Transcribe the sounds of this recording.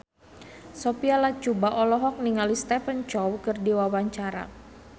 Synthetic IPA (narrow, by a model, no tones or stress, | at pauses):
sopialat͡ʃubaʔɔlɔɦɔk̚niŋalist̪ɛfənt͡ʃɔwkərdiwawaɲt͡ʃaɾa̰